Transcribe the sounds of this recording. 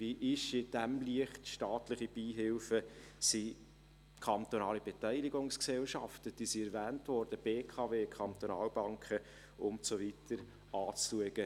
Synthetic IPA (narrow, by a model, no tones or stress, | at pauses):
viʔɪʃɪd̥æmliəχtʃtɑːtlɪχib̥iːɦɪlfəsi | kʰɑnt̪onɑːlib̥ɛtæɪliɡʊŋsksɛlʃɑftəd̥iːsiɛɾvæːntvɔɾd̥əb̥eːkʰɑveːkʰɑnt̪onɑ̰ːlbɑŋkʰə | ʊntsovit̪ʰəɾ | ɑːt͡sluəɡ̥ə